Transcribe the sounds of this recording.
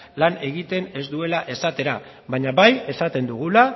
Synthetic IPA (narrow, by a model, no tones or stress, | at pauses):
lane̞ɣit̪e̞ne̞zd̪ue̞laʔe̞sat̪e̞ɾa | βaɲaβaje̞sat̪e̞nd̪uɣ̞ula